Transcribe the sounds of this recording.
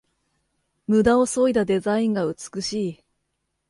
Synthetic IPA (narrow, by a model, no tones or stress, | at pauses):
mɯ̟d̪ao̞so̞id̪ad̪e̞zaĩŋɡaɯ̟t͡sɨ̥kɯ̟ɕiː